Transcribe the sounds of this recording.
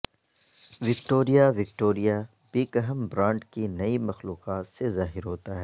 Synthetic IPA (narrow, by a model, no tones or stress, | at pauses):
ʋɪkʈoːɾijaʋɪk̚ʈoːɾija | b̥iːkəɦəmbɾãːɳɖkinɐimɐxluːqaːt̪sezaːɦɪɾɦoːt̪aɦɛː